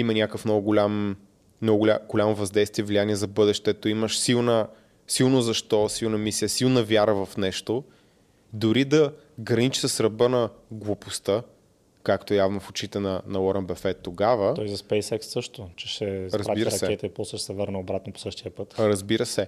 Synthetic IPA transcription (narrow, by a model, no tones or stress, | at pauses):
imɐnʲakəfnɔɡʊɡolʲam | nɔɡʊɡlʲaɡ̥olʲamovɐzd̪ɛjst̪viɛvlʲianiɛzɐbɤd̪ɛʃt̪ɛt̪oiməʃsilˠnə | silˠnozɐʃt̪ɔsilˠnɐmisiəsilˠnəvʲjaɾəvɐfnɛʃt̪o | d̪oɾid̪ɐ | ɡɾɐnit͡ʃi̥səsɾɐbənɐɡlˠopost̪ə | kakt̪ojavnofot͡ʃit̪ɛnɐnɐlˠɔɾɐnbɛfɛt̪ːoɡavəɔjzɐspɛjsɛksːɤʃt̪ot͡ʃɛʃɛɾɐzɾab̪iɾsɐsɛɛt̪ɛipɔsəʃɛ̥sɛvəɾnəobɾat̪nopo̥sɤʃt̪iəpɤt̪ɾɐzbiɾəsɛ